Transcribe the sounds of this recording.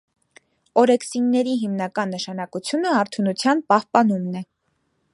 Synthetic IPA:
ɔɾɛksinːɛɾiɦimnɑkɑnːəʃɑn̪ɑkut͡sʰjunəɑɾt̪ʰunut͡sʰjɑnpɑhpɑnumnɛ

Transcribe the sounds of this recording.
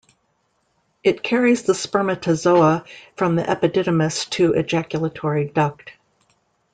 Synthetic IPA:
ɨt̚kʰɛɹizðəspɜ˞mɨtʰɨzoʊəfɹʌ̃mðiʔɛpɨdɪɾɨmɨstʰɨʔɨ̰d͡ʒækjl̩ˠətʰɔɹidʌk̚t̚

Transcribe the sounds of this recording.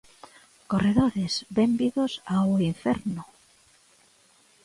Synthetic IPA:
koreðoɾesbɛmbiðʊsaʊiɱfɛɾnʊ

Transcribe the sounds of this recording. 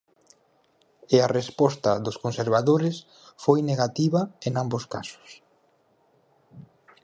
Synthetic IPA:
earespɔst̪ɐðʊskonseɾβaðoɾɪs | fojneɣat̪iβɐeŋamboska̰sʊ̥s

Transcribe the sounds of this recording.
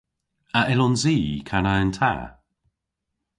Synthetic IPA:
əʔɛlɔnziːkʰanaəntʰa̰

